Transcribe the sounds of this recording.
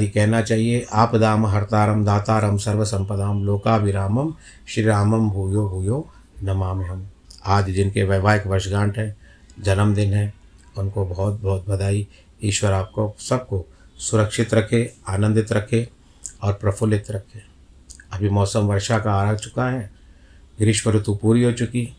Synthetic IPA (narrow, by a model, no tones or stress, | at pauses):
ikɛɦnat͡ʃaːɦieʔaːpd̪aːmɦɐɾt̪aːɾəmd̪aːt̪aːɾəmsɐɾʋəsɐ̃mpəd̪aːmloːkaʋɪɾaːməm | ʃɾiɾaːməmbʱuːjoɦʊjoː | nɐmaːmeɦəm | aːd͡ʒd͡ʒɪnkeʋəːʋaːjɪkʋɐɾʃɡãːɳʈɦɛ̃ːd͡ʒɐnəmd̪ɪnɦɛ̃ː | ʊnkobɔːt̪̚bɔːt̪̚bɐd̪aːi | iːʃwəɾaːp̚kosɐb̚kosʊɾəkʃɪt̪ɾɐkʰeaːnə̃nd̪ɪt̪ɾɐkʰe | ɔːɾpɾɐpʰʊlɪt̪ɾɐkʰeː | ɐbʱimɔːsəmʋɐɾʃakaːɾaːɡt͡ʃʊ̥kaɦɛ̃ː | ɡɾɪʃʋəɾʊt̪upuːɾiɦot͡ʃʊki